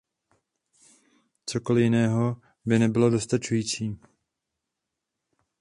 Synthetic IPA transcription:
t͡so̞ko̞lɪjɪnɛːɦo̞ | bɪnɛbɪlo̞do̞st̪at͡ʃujiːt͡siː

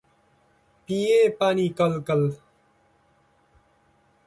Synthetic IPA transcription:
pieːpaːniːkɐlkɐl

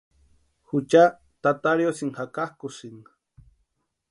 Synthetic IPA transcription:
xut͡ʃa | t̪at̪aɾjosiŋxakahkusiŋ

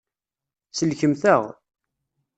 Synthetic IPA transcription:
səlçəmθæʁ

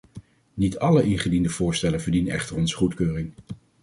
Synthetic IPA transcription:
nitɑləʔɪnχədindəv̥ʊːɹstɛlənvəɹdinənɛ̰χtəɹɔnzə̥χutkøːrɪŋ

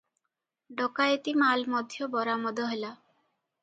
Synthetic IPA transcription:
ɖɔkaet̪imalmɔd̪ʱjɔbɔɾamɔd̪ɔɦela

